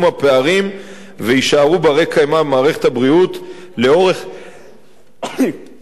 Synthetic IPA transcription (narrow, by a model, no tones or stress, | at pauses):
mapeaʁim | veiʃaʁubaʁekajmamaːʁe̞χe̞thabʁiut | leo̞ʁe̞χ